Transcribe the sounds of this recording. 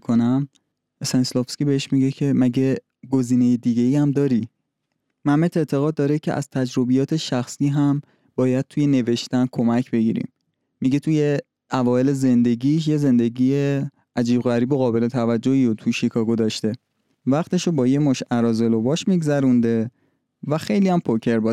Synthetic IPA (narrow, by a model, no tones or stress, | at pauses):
kʰonæm | esɛnslofskʲibeheʃmiɟe̞cʰe̞mæɟe̞ | ɡo̞ziːnejed̪iɡe̞iæmd̪ɒːɾi | mæmet̪ʰe̞ʔt̪ʰe̞ɣɒːd̪̚ːɒːɾecʰe̞̰ʔæ̰z̥t̪ʰæd͡ʒɾo̞bijɒːt̪ʰe̞ʃæxsiːɦæm | b̥ɒːjæd̪̥̚t̪ʰuje̞ne̞ve̞ʃt̪ænkʰo̞mæcʰbe̞ɡḭːɾḭːmː | iɟe̞t̪ʰuje | ʔævɒːjele̞ze̞nd̪e̞ɡiːʃ̬je̞ze̞nd̪e̞ɡiːje | æd͡ʒiːbɣæɾiːboɣɒːbe̞le̞t̪ʰævæd͡ʒːoiːot̪ʰuʃikʰɒːɡod̪ɒʃt̪e̞ | væχt̪ʰe̞ʃobɒːjemoʃæɾɒːze̞lobɒːʃmiɡzæɾund̪e̞ | væxe̞jlijæmpʰocʰe̞ɾbɒː